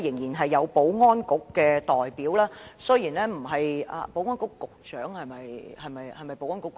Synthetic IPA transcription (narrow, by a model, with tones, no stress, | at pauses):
jɪ˨˩ŋjiː˨˩nɦɐ˨jːɐ˨˧wpo˨˥wŋɔː˥nkʊ˨˥kːɛː˧t̪ɔː˨jpiː˨˥wlaː˥sɵ˥jiː˨˩nɛː˥m̩˨˩ɦɐ˨ja̰˨˧po˨˥wŋɔː˥nkʊ˨˥kːʊ˨k̚t͡ʃœː˨˥ŋhɐ˨jmɐ˨jhɐ˨jmɐ˨jhɐ˨jmɐ˨jpo˨˧wŋɔː˥kʊ˧˥kː